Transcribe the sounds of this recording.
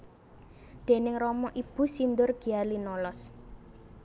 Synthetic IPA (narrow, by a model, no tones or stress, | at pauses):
d̪̥e̤nɪŋrɔmɔʔib̥ṳsind̪ʊrɡ̥ialinɔlɔs